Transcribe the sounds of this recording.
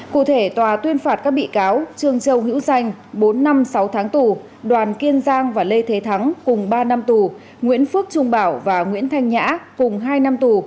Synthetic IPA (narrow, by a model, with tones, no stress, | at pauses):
kṵ˧˨t̪ʰe˧˩t̪waː˨˩t̪wi˧ənfaː˧˩t̚kaː˦˥k̚ɓḭ˧˨kaː˨˦wt͡ɕɨ˨˩əŋt͡ɕə˨˧˩wɦḭ˧˥wza˧˩jŋ̟ɓo˨˦nːa˧msa˨˦wt̪ʰaː˨˦ŋt̪u˨˩ | ɗwaː˨˩nki˧ənzaː˧ŋvaː˨˩le˧jt̪ʰe˨˦t̪ʰa˨˦ŋkʊ˨˩ŋ͡mɓaː˧na˧mt̪u˨˩ | ŋwḭ˧˥ənfɨ˦˥ək̚t͡ɕʊ˧ŋ͡mɓaː˧˩wvaː˨˩ŋwḭ˧˥ənt̪ʰa˧jŋ̟ɲa̰ː˧˥kʊ˨˩ŋ͡mɦaː˧jna˧mt̪u˨˩